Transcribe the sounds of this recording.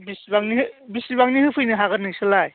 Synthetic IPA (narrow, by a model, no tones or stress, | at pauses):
bisibaŋniɦɯbisibaŋnihɯpʰɯjnɯɦaɣɯnɯksɯlaj